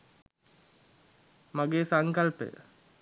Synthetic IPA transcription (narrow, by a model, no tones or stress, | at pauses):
maɡeːsaŋkalpə̰jə̰